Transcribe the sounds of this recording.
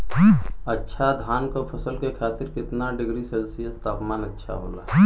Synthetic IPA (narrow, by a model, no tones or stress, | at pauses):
ɐtːʃʰad̪ʱaːnkopʰɐsəlkekʰaːt̪ɪɾkɪt̪naɖɪɡɾiseːlsijəst̪aːpmaːnɐtːʃʰa̰ɦo̰ːla̰ː